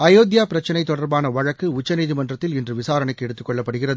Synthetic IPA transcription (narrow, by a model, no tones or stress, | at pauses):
ɐjoːd̪jaːpɪɾɐt͡ʃːɐnɐɪt̪ːɔɽɐɾbaːnɐʋɐɻɐkːɯʊt͡ʃːɐniːðɪmɐndrɐt̪ːɪlɛndrɯʋɪsaːɾɐɳɐkːɛɽɯt̪ːɯkːɔɭːɐpːɐɽɯɣɪrɐðɯ